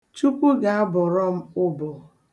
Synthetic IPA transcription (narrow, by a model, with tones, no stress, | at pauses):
t͡ʃu˦kʷu˦ɡa˨a˦bɔ˨ɾɔ˦m̩˦ʊ˦bʊ˨